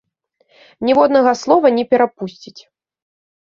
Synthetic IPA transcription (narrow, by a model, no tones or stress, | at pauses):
nʲɛvɔd̪nɐɣɐslˠɔvɐnʲɛpʲɛɾapusʲt͡sʲit͡sʲ